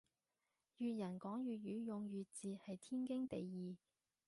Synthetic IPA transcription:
jyː˨t̚jɐ˨˩nkɔː˨˥ŋjyː˨t̚jyː˨˥jʊ˨ŋjyː˨t̚t͡siː˨hɐ˨jt̪ʰiː˥nkɪ˥ŋt̪e˨jːiː˨

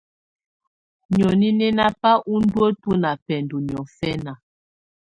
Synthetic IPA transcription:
ɲɔ˨ni˦nɛ˦na˦pa˦ʔu˦n̩˦dwo˦tu˦na˨pɛ˨n˨du˨ɲ˨ɔ˨fɛ˦na˨

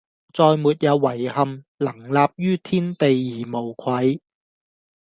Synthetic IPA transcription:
t͡sɔː˨˧jmuː˨t̚jɐ˨˧wːɐ˨˩jhɐ˨m | lɐ˨˩ŋlaː˨p̚jyː˥t̪ʰiː˥nt̪e˨jːiː˨˩mo˨˩wkʷʰwɐ˨˧j

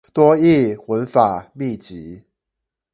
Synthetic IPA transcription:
t̪wɔ˦i˥˩xwə˨˦nfa˨˩mi˥˩t͡ɕi˨˦

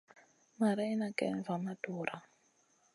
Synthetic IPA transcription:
ma˨ɾa˦i˦na˨kɛ̰˨nva˨ma˦d̥ɔː˨ɾa˦

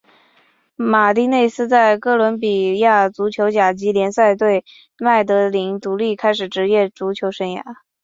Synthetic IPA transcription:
ma˨˩t̪i˥˧ne˥˩ɪsɹ̩˥t͡sa˥˩ɪkɤ˥˩lwə˧˥npi˨˩ja˥˩t͡su˧˥t͡ɕʰjo˧˥ʊt͡ɕja˨˩t͡ɕi˧˥ljɛ˧˥nsa˥˧ɪt̪we˥˩˧ɪ | ma˥˩ɪt̪̬ɤ˧˥li˧˥ŋt̪u˧˥li˥˩kʰa˥ɪʂɻ̩˨˩ʈ͡ʂɻ̩˧˥jɛ˥˩t͡su˧˥t͡ɕʰjo˧˥ʊʂə˧˥nja̰˨˧˥

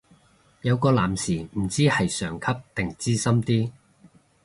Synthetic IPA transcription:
jɐ˨˧wkɔː˧laː˨˩msiː˨˩m̩˨˩t͡siː˥hɐ˨jsœː˨˩ŋkʰɐ˥p̚t̪ɪ˨ŋt͡siː˥sɐ˥mt̪iː˥

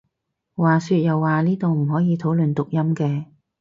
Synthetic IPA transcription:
waː˨syː˧t̚jɐ˨wːaː˨niː˥t̪o˨wm̩˨˩ɦɔː˨˥jiː˨˧t̪ʰo˨˥wlɵ˨nt̪ʊ˨k̚jɐ˥mkɛː˧

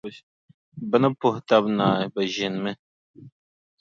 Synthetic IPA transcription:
bə˦nɐ˦pʊ˨ht̪a˦bnaː˨bɐ˨ʒi˨nmɨ˦

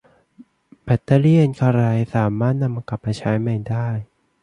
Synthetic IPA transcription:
bɛ˨˩t̪ːa˧li˥˩ənkʰa˧ɾa˧jsaː˩˦maː˥˩t̪̚na˧mːaː˧kla˨˩p̚maː˧t͡ɕʰaː˦˥jma˧˩jdaː˥˩j

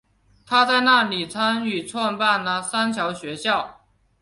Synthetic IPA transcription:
t̪ʰa˥t͡sa˥˧ɪna˥˩li˨˩t͡sʰa˥ny˨˩t͡sʰwɔ˥˧npa˥˩nə˨sa˥nt͡ɕʰjɑ˧˥ʊɕɥɛ˧˥ɕjɑ˥˩ʊ

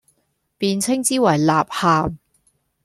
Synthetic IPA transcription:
piː˧nt͡sʰɪ˥ŋt͡siː˥wɐ˨˩jlaː˨p̚haː˨m

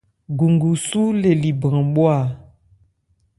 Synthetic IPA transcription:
ɡu˨ŋɡu˨su˦le˨li˨bã˨ɓwa˦˨

